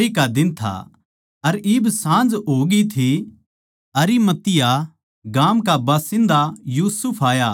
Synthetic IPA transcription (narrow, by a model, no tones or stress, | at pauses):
ikad̪ɪnt̪ʰa̰ | ɐɾɪːbsãːnd͡ʒɦoːɡit̪ʰi | ɐɾimɐt̪ɪja | ɡaːmkabaːsɪ̃nd̪ajuːsʊpʰaːjaː